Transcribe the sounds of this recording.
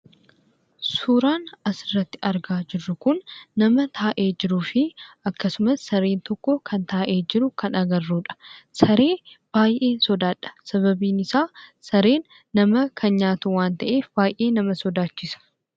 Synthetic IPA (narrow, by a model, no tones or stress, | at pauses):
suːɾaːnɐsɪrːɐt̪ːɪʔɐɾɡaːd͡ʒɪrːʊkʊnːɐmɐt̪ʰaːʔe̞ːd͡ʒɪɾuːfɪɐkːɐsʊmɐsːɐɾeːnt̪ɔkːɔkʰɐnt̪aːʔe̞ːd͡ʒɪɾʊkʰɐnɐɡɐrːuːᶑɐ̥sɐɾe̞ːb̥aːjʔeːnsɔd̪aːᶑɐ̥sɐβɐbiːnɪsaːsɐɾeːnː | ɐmɐkʰɐnɲaːt̪uwaːnt̪ɐʔeːfbaːjʔe̞ːnɐmɐsɔd̪aːt͡ʃːɪsɐ̥